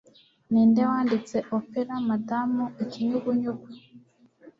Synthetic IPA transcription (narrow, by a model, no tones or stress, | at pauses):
niːndewaːndit͡se̞ʔopeɾamadamuikiɲuɡuɲuɡa